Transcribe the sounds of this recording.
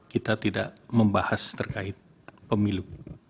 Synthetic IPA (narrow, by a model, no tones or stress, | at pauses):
kit̪at̪idaʔməmbahast̪ərkaɪt̪̚ | pəmilu